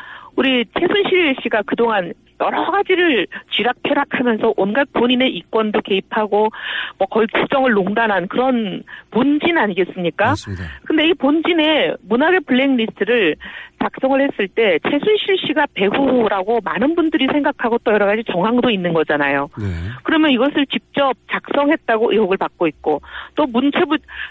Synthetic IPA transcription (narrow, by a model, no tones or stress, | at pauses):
uɾit͡ɕʰe̞sʰunɕʰiɭɕ͈iɡakɯdoŋan | jʌɾʌɡad͡ʑiɾɯɭt͡ɕiɾak̚pʰjʌɾakʰamjʌnsʰʌʔonɡak̚p͈oɲine̞ʔik͈wʌndoke̞ipʰaɡomwʌkʌikuk̚t͡ɕ͈ʌŋɯɭːoŋdanɦankɯɾʌnpond͡ʑinaɲiɡe̞s͈ɯmɲik͈akɯnde̞ipond͡ʑine̞munaɡe̞pɯɭːeŋnisʰɯɾɯɭt͡ɕak̚s͈ʌŋɯɭhe̞s͈ɯɭt͈e̞t͡ɕʰe̞sʰunɕʰiɭɕ͈iɡape̞ɦuɾaɡomanɯnbundɯɾisʰe̞ŋɡakʰaɡot͈ojʌɾʌɣad͡ʑit͡ɕʌŋɦaŋdoinːɯnɡʌd͡ʑanajokɯɾʌmjʌniɡʌsʰɯɭt͡ɕik̚t͡ɕ͈ʌp̚t͡ɕak̚s͈ʌŋɦe̞t̚t͈aɡoʔiɦoɡɯɭpak̚k͈oit̚k͈ot͈omunt͡ɕʰebu